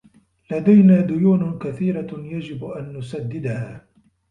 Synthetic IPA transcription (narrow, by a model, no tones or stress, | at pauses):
lad̪ajnaːd̪ʊjuːnʊkaθiːɾajad͡ʒɪbʔanːʊsad̪ːɪd̪ahaː